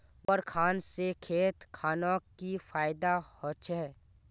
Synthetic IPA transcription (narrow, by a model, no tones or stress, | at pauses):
pəɾkʰaːnsekʰeːt̪kʰaːnõːkifaːɪd̪ahot͡ʃʰɛ